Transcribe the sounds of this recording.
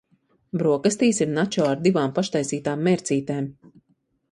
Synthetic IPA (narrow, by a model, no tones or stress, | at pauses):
bɾuɔkast̪iːsiɾnat͡ʃɔːaɾd̪ivaːmpaʃt̪ajsiːt̪aːmːɛɾt̪siːt̪eːm